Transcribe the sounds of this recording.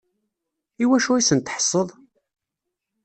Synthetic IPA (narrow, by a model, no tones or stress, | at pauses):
iwæʃuisənt̪ħə̥sˤːəðˤ